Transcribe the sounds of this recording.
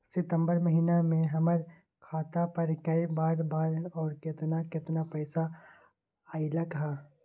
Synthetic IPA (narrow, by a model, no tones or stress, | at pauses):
sɪt̪ə̃mbəɾmɐɦiːnamẽɦɐməɾ | kʰaːt̪apɐɾkɐibaːɾbaːɾɔːɾkɪt̪nakɪt̪napɛːsa | aɪlɐkɦaː